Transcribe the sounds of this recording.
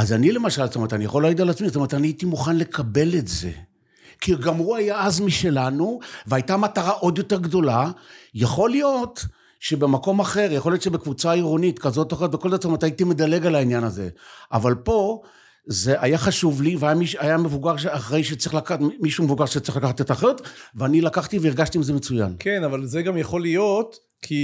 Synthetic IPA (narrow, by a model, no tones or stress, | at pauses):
azanile̞maʃalstomet̪anija̰χo̞laɡid̪alat͡smizstometaniaitimuχanle̞kabe̞letze̞̰ | kiɡamhuajaazmiʃe̞lanuveajtamataʁaʔo̞d̪jo̞te̞ʁɡdo̞lajaχo̞lijo̞t | ʃe̞be̞mako̞maχe̞ʁjaχlijo̞tʃebekvut͡saiʁo̞nitkazo̞tːχot̪vekold̪atstometait̪imedale̞ɡalainjanaze̞̰ʔa̰valpo̞ | ze̞ʔajaχaʃuvliveajamiʃajame̞vuɡaʁʃaχʁe̞jʃet͡sʁiχlakamiʃume̞vuɡaʁʃett͡sʁiχlakaχat̪et̪aχeʁot̪veanilakaχt̪iveiʁɡaʃtiːmzemet͡suja̰nkenavalzeɡamjaχo̞lijo̞t | kʰi